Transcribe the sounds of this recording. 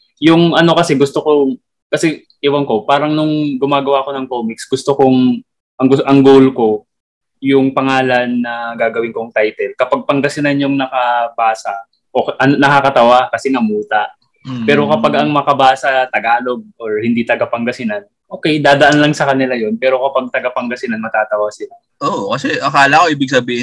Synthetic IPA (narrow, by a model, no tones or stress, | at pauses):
jʊŋʔɐno̞kɐsɛɡʊst̪oko̞ | kɐsɛ | ʔɪwɐnko̞paːɾɐŋnʊŋɡʊmaːɡɐwaːko̞nɐŋkoːmiksɡʊst̪okoŋ | ʔɐŋɡʊʔɐŋɡoːwlko̞ | jʊŋpɐŋaːlɐnːɐɡaːɡɐwɪŋkoŋt̪ajt̪ɛlkɐpaɡ̚pɐŋɡɐsɪnanjʊŋnɐkɐbaːsɐ | ʔoʔɐnonɐkakɐt̪ɐwakɐsɛŋɐmuːt̪ɐʔ | pɛːɾo̞kɐpaɡɐŋmɐkɐbaːsɐt̪ɐɡaːlo̞ɡ̚oɹhɪnd̪iːt̪ɐɡɐpɐŋɡɐsɪnan | ʔo̞ːkɛjd̪aːd̪ɐʔanlɐŋsɐkɐnɪlajo̞npɛːɾo̞kɐpaɡ̚t̪ɐɡɐpɐŋɡɐsɪnanmɐt̪aːt̪ɐwasɪla | ʔokɐsɛʔɐkaːlɐkoʔiːbɪɡ̚sɐbiːhɪ